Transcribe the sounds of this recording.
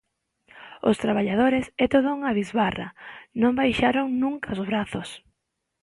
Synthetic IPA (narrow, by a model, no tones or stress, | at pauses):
ʊ̰st̪ɾaβ̞aʎað̞oɾesɛt̪oðouŋaβizβara̰nõmbajʃaɾoŋnũŋkaozβɾaθos